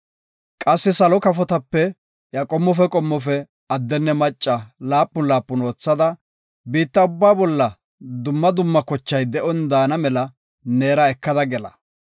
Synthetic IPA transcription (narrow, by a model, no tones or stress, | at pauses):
kʼɐsːɪsɐlɔkɐfɔt̪ɐpːɛ | jɐkʼɔmːɔfɛkʼɔmːɔfɛ | ɐd̪ːɛnːɛmɐt͡ʃʼːɐlaːpːʊnlaːpːʊno̞ːt͡sːɐd̪ɐ | biːt̪ːɐʊbːaːbɔlːɐ | d̪ʊmːɐd̪ʊmːɐkɔt͡ʃːɐjd̪ɛʔɔnd̪aːnɐmɛlɐ | ne̞ːɾɐɛkːɐd̪ɐɡɛlɐ̰